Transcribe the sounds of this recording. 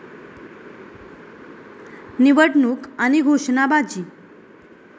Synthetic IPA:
niʋəʈnukaniɡʱoʂnabad͡ʑiː

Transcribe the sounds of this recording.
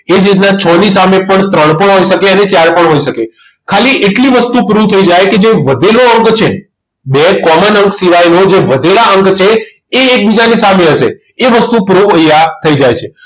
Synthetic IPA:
ed͡ʒenãt͡ʃʰɔnisamepəɳt̪ɾəɳ̃pəɳɦoiʃəkeənet͡ʃaɾpəɳɦoiʃəke | kʰaliʔeʈliʋəst̪upɾuʋt̪ʰəid͡ʒajked͡ʒeʋəd̪ʱeloəŋkt͡ʃʰe | bekɔmənəŋksiʋajnod͡ʒeʋəd̪ʱelaəŋkt͡ʃʰeː | ek̚bid͡ʒanisameəʃḛ | eʋəst̪upɾuʋəjat̪ʰəid͡ʒajt͡ʃʰe

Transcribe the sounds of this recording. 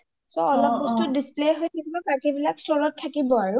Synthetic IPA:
sɔɔlɔɡɔstɔdisplejɦojtʰakibɔbakibilakstɔɹɔtʰːakibɔaɹʊ

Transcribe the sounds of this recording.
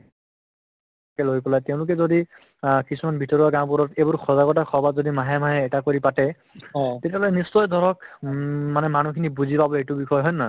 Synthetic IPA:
kɛlojpɔlajtɛʊ̃lʊk̬ɛzodi | kisumanbʱitɔɹaɡãʊ̃puɹɔtebʊɹxʰɔzaɡɔtaxʰɔbʱazodimaɦɛmaɦɛːtakoɹipatɛ | tetialojnisːɔjd̪ʱɔɹɔk | manɛmanukʰinibuzipabɔejtubixʰɔjɦɔjna

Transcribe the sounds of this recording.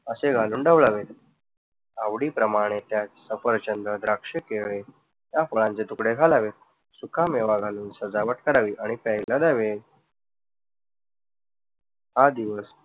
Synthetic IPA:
əseɡʱaluːnɖəʋɭaʋet̪ | aʋɽiːpɾəmaɽ̃et̪jat͡ssəfəɾt͡ɕənd̪ɾəd̪ɾakʂekeɭe | t̪jafəɭãnt͡set̪ukɽeɡʱalaʋe | sukʰameʋaɡʱaluːnsəd͡zaʋəʈ̚kəɾaʋiːʔaɽ̃ipɛjləd̪aʋe | had̪iʋəs

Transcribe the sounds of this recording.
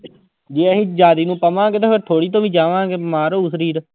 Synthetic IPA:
d͡ʒeːəɦĩːd͡ʒaːd̪iːnũːpəmãːɡeːt̪eːpʰɪɾt̪ʰoːɽiːt̪̬õːʋĩːd͡ʒaːʋãːɡeːmaːɾoːʊsəɾiːɾ

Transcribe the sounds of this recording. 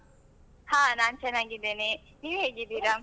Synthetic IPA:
haːnaːnt͡ʃɛnːaːɡid̪eːne | niːʋɦeːɡid̪iːɾaː

